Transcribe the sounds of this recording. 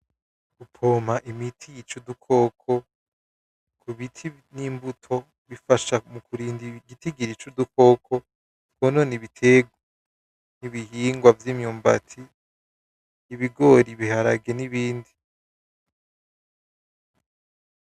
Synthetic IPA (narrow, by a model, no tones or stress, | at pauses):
ɡ̥upʰoːmaʔimitʰijit͡ʃudukʰo̞ːkʰo̞ | kʰuβitʰi | niːmbutʰo̞ | βifaʃamukʰuɾiːndiɡitiɡiɾit͡ʃuduko̞ːkʰo̞ | tkononiβitʰeɡ | niβihiːŋɡwavjimɲuːmba̰tʰi | βiɡo̞ɾiβihaɾaɡe̞niβiːndi